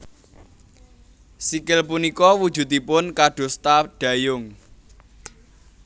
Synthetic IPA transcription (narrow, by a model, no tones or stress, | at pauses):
sikɪlpunikɔwud̥ʒ̥ṳt̪ipʊnkaɖ̪̥o̤st̪aɖ̥ä̤jʊŋ